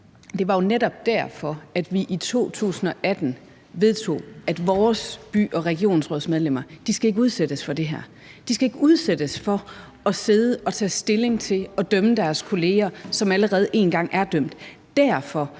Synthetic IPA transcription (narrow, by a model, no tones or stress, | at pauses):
d̥e̝ʋɑ̈jo̝neɾ̥ɒ̽b̥̚d̥æɐ̰fɒ̽æd̥ʋiʔit͡sʰo̝̰ːt͡sʰṵːsn̩ɒ̽ʔæd̥n̩ | ʋe̝ð̞ˠt͡sʰo̝̰ːæd̥ʋɒːsb̥y̰ːɒ̽ʁɛɡ̥io̝̰ːnsʁɔðˠsmeð̞ˠlem̰ɐd̥isɡ̥æe̝ɡ̥əuð̞ˠsed̥əsfɒ̽d̥e̝ɦæɐ̰ | d̥isɡ̥æe̝ɡ̥əuð̞ˠsed̥əsfɒ̽ | ɒ̽se̝ð̞ˠəʔɒ̽t͡sʰɛ̰ːsd̥e̝le̝ŋt͡sʰe̝lɒ̽d̥œməd̥æɐskʰo̝le̝ːɐsɒ̽mæləʁɛːð̞̩ˠʔe̝̰ːnɡ̥ɑ̈ŋ̰ʔæɐd̥øm̰d̥ | d̥æɐ̰fɒ̽